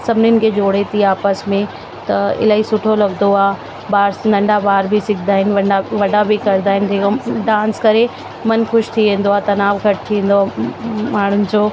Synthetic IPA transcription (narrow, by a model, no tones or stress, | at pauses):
sɐbniɪnɪ̆kʰed͡ʑoːɽ̤et̪ʰiaːpəsmẽ | t̪ɐɪ̰laːɦisʊʈʰolɐɡd̪oaː | baːɾsnɐ̃ɳɖabaːɾbʱisɪkʰd̪aːɦɪnɪ̆ʋɐaʋɐɖabikɐɾd̪aːɦɪnɪd͡ʑ̪eːkoɖãːnskɐɾe | mɐnxʊʃt̪ʰiʋẽːnd̪oaːt̪ɐnaːʋɡʱɐʈ̚t̪ʰĩːnd̪oamaːɳ̤ʊnɪ̆d͡ʑoː